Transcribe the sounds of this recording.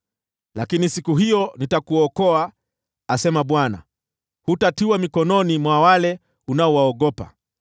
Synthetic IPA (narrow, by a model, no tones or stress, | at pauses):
lakinisikuɦijɔnitakuɔkɔaː | sɛmaɓwana̰ | hutatiwamikɔnɔnimwawalɛ | unaɔwaɔɠɔpa̰